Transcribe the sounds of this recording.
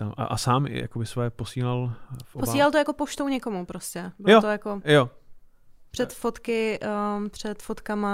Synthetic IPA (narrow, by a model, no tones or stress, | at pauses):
aʔa̰ʔasaːmɪ̰ja̰kobɪsvojɛposiːlalfʔoposiːlalt̪ojako̞poʃt̪owɲɛko̞mupɾoscɛbɪljot̪ojakojo | pr̥ɛt̪fot̪kɪʔpr̝̥ɛt̪fot̪kama